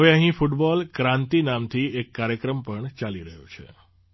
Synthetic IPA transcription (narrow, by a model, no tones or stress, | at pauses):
əʋeəɦĩfuʈbɔlkɾãnt̪inamt̪ʰiekːaɾjəkɾəmpəɳt͡ʃaliɾəɦjṵt͡ʃʰḛ